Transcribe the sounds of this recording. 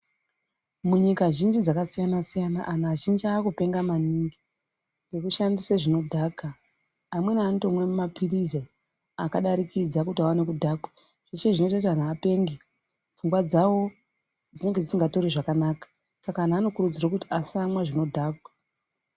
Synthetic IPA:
muɲikaʒind͡ʒid͡zakasijanasijanaʔanaʒind͡ʒiaːkupe̞ŋɡamaniːŋɡi | ŋɡe̞kuʃandiseʐino̞dʱaːɡʱaː | mwe̞naantomwe̞mapʰirize | akaɗaɾikid͡zakutiawane̞kudʱaːɡwa | ʐ̥et͡ʃeʐino̞t͡ʃatan̤aːpe̞ːŋɡe | vuŋɡwad͡zawo̞ | d͡zine̞ŋɡed͡zisiŋɡato̞ɾiʐakanaːkḁ | sakanaːno̞kurud͡zirakutiasamwaʐino̞dʱaːɡʱwa

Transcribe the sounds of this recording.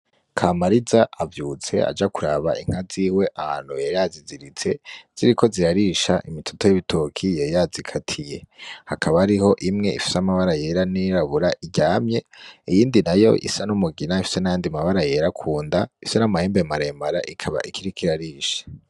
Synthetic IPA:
kʰaːmaɾizaavjuːt͡se̞̰a̰d͡ʒakuɾaβaiŋ̥haziːwe̞ʔaha̰ːn̥hujejaːziziɾit͡se̞z̥iɾiko̞ziɾaɾiʃaʔimitʰo̥tojiβitʰokʰijejazikʰatʰije̞hakʰaβaɾiho̞ʔimŋe̞ḭfi̥seamaβaɾaje̞ɾaniɾaβuɾaʔiɟaːmɲe̞ijiːndinajo̞̰ʔḭsanumuɡinaifi̥se̞najaːndiamaβaɾaje̞ɾakʰuːndaifsenamaheːmbemaɾemaɾaʔikʰaβa̰ʔikʰiɾikʰiɾaɾiːʃḁ

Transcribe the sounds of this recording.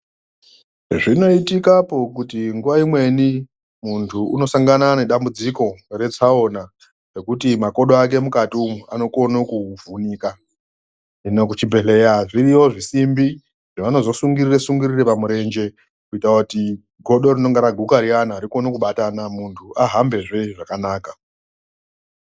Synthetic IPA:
ʐino̞itikapo̞kutiŋɡuʋaimwe̞ni | muntʰuuno̞saŋɡanane̞ɗambud͡ziko̞re̞t͡sao̞na | re̞kutimako̞ɗoak̬e̞mukatiumuano̞ko̞nokuvʱuniːka | inokut͡ʃibʱe̞ɬe̞jaʐiriwo̞ʐisimbi | ʐ̥aʋano̞zo̞suŋɡiriresuŋɡirirepamuɾe̞nd͡ʒe̞ | kuitauti | ɡʱo̞ɗo̞rino̞ŋɡeɾaɡʱukaɾianaːɾiko̞no̞kuɓatanamuntʰuʔaɦambe̞ʐe̞ʐakanaːka

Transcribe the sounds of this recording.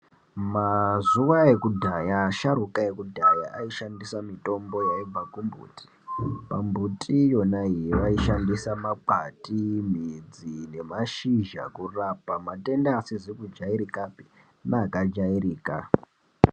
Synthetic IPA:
mazuʋae̞kudʱajaʃaɾukaekudʱajaʔaiʃandisamito̞mbo̞jaib͡vakumbṵːtʰʼi̥ | pambutʼijo̞naijiʋaiʃandisamak͡patim̤id͡zine̞maʃiʒa̰kurapamate̞ndaːsizikud͡ʒaiɾikapi̥ | naːkad͡ʒairiːka̰

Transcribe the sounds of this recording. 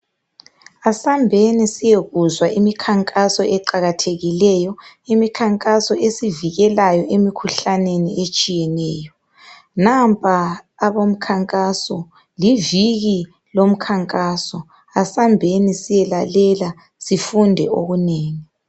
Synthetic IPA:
asambʱenisijeɣuzwaʔimikʰaŋkʼasɔɛǃaɣatʰeɣilɛjɔimikʰaŋkʼasɔʔesiviɣɛlajɔʔemikʰuɬaneniʔet͡ʃʼijɛnɛːjɔ | nampʰʼaː | βom̩kʰaŋkʼasɔ | liviɣi | lom̩kʰaŋkʼaːsɔ | asambʱenisijɛlalɛla | sifundʱɛ̰o̰ɣuneːŋi

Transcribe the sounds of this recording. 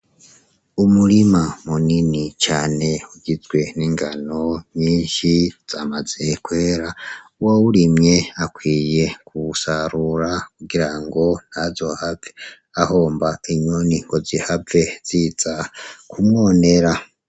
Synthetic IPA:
umuɾimamuninit͡ʃaːne̞uɟizɡwe̞niŋɡano̞ɲiːɲʃiz̥amaz̥e̞kweːɾauwawuɾimɲe̞akwiːje̞kusaɾuɾakuɡiɾaŋɡo̞n̥hazo̞have | aho̞ːmbaiɲoniŋɡo̞zihave̞z̥iz̥akumŋo̞ne̞ɾa

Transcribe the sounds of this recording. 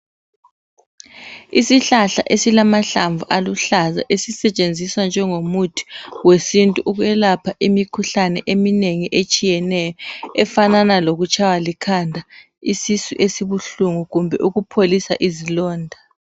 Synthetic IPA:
isiɬaɬa̰ʔesilamaɬaɱvuʔaluɬaza̰ʔesisɛt͡ʃʼend͡zʱiswand͡ʒʱɛŋomutʰi̥wesintʼuʔuɣwɛlapʰaʔimikʰuɬanɛʔemineŋiʔet͡ʃʼijɛnɛjɔɛfananaloɣut͡ʃʰʼawalikʰandʱa | isisuʔesiβuɬuŋuɣumbʱɛ̰ʔuɣupʰolisa̰ʔizilɔːndʱa

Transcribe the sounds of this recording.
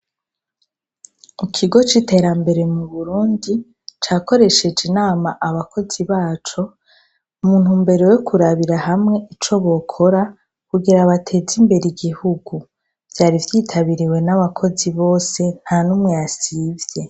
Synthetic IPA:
ikʰiɡo̞t͡ʃite̞ɾambe̞ɾe̞muβuɾuːndi | t͡ʃaːko̞ɾe̞ʃe̞d͡ʒinaːmaʔaβakʰo̞ziβaːt͡ʃo̞ | umuːn̥humbe̞ɾo̞jokʰuɾaβiɾaɦamŋe̞ʔit͡ʃo̞βo̞kʰo̞ɾa | kuɡiɾaβatʰe̞zimbe̞ɾiɡihuɡu | vjaːɾivjiːtʰaβiɾiwe̞naβakʰo̞ziβo̞ːse̞n̥hanumŋejasivje̞

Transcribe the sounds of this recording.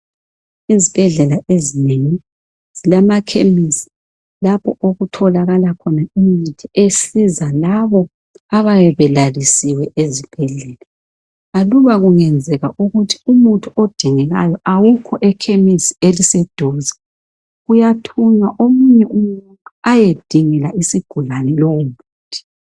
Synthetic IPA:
izib̥ʱɛɮɛlaʔezineŋi | z̥ilamakʰemisi̥ | lapʰɔʔoɣutʰɔlaɣalakʰɔnaimitʰiesizalaβɔ | aβajɛβɛlalisiwɛʔezib̥ʱɛɮɛla | aluβaɣuŋɛnd͡zʱɛɣaʔuɣutʰi̥umuntʰuod̥ʱiŋɛɣa̰jɔʔawukʰɔʔɛkʰemisi̥elisɛd̥ʱɔːzɛ | ɣujatʰuɲaʔomuɲɛumuuntʰu̥ajed̥ʱiŋɛlaisiɡ̥ʱulanɛloumuːtʰi̥

